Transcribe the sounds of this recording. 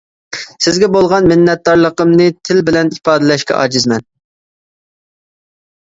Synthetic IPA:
sɪzɡʲɛbolˠʁɑnmɪnːɛt̪̚d̪ɑɾlˠəqəmnɨt̪ʰɪlbɪlɛnipɑːd̪ɛlɛʃkʲɛ̰ʔɑ̰ːd͡ʒizmɛn

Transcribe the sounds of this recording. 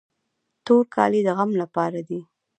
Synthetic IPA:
t̪oɾkʰɑ̰lid̪əɣamlapɑɾad̪i

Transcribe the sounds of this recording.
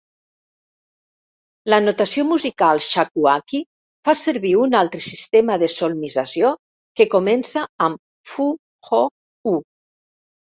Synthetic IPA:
lanot̪asiomuzikalˠʃakuaki | faseɾβiunalˠt̪ɾəsist̪eməðesolmizasjo | kekomɛnsaːm | fu | xɔ | u

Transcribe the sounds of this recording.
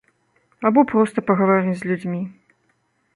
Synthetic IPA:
abupɾɔst̪ɐpɐɣɐvaɾʲɨzʲlʲud͡zʲmʲi

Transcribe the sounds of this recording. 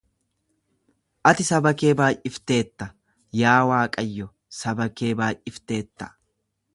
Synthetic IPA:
ʔɐt̪ɪsɐbɐke̞ːbaːjʔɪft̪e̞ːt̪ːɐ | jaːwaːkʼɐjːɔ | sɐbɐke̞ːbaːjʔʔɪft̪e̞ːt̪ːɐ̥

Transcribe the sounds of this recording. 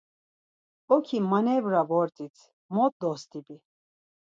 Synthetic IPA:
ɔkʰimanɛvɾavɔɾt̪ʼit͡sʰ | mɔt̪̚d̪ɔst̪ʰʼibi

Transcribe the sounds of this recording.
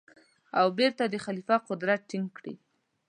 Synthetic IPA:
awbeɾt̪ad̪əxalifɑqʊd̪ɾat̪̚ʈɪŋɡkɽḭ

